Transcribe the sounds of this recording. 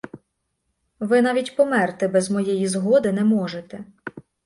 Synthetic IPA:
ʋɪnɑʋʲitʲpɔmɛrt̪ɪbɛzmɔjɛjizɦɔd̪ɪnɛmɔʒet̪ɛ

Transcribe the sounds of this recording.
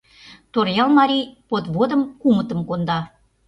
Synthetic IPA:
t̪orjɑlˠmɑɾʲijpot̪βod̪ə̆mkumə̆t̪ə̆mkond̪ɑ

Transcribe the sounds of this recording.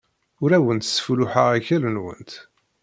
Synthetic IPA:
ʊɾæwənt̪sə̥flʊħaʁæçælənwə̰nt̪

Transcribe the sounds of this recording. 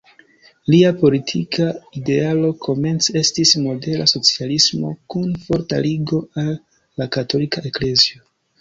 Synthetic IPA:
liapo̞litʰikʰaide̞alo̞kʰo̞me̞nt͡se̞stismo̞de̞la̰so̞t͡sialismo̞̰kunfo̞ɾta̰liɡo̞alː | akato̞likaʔekle̞zio̞

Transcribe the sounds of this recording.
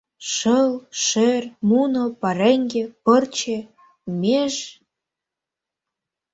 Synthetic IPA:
ʃəlʃermunopɑɾeŋɡĕpɤrt͡ɕĕ | mʲeʒ

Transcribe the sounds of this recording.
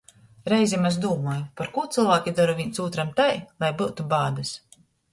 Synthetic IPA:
ɾɛjzʲimazd̪uːmɔːjupaɾkuːt̪sɨlˠvaːkʲid̪aɾuviɲʲsuːt̪ɾamt̪ajlˠajbuwt̪ubaːd̪ɨs

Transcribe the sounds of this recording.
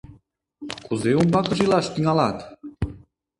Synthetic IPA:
kuzeumbɑkɤ̆ʒilɑʃt̪iŋɑlɑt̪

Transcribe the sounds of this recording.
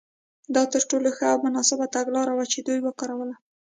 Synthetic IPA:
d̪ɑt̪əɾʈoloxəawmʊnɑsɪbat̪aɡlɑɾawat͡ʃed̪ujwəkɑɾawəla

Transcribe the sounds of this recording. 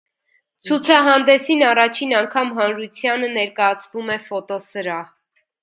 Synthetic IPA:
t͡sʰut͡sʰɑɦɑnd̪ɛsinɑrɑt͡ʃʰinɑŋkʰɑmɦɑnɾut͡sʰjɑnənɛɾkɑjɑt͡sʰvumɛfɔt̪ɔsəɾɑh

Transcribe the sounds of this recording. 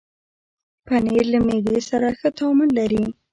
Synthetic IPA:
paneɾlamed̪esaɾaxət̪ʰɑmʊnlaɾi

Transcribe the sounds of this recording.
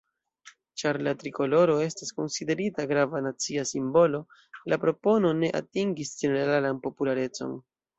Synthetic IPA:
t͡ʃaɾlatɾiko̞lo̞ɾo̞e̞stasko̞nside̞ɾitaɡɾavanat͡siasimbo̞lo̞ | lapɾo̞po̞no̞ne̞ʔa̰tiŋɡisd͡ʒe̞ne̞ɾɾalanpo̞pulaɾe̞t͡so̞̰n

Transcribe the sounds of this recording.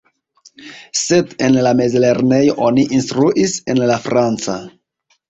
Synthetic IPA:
se̞de̞nlame̞zle̞ɾne̞jo̞ʔo̞niʔinstɾuʔise̞nlafɾant͡sa

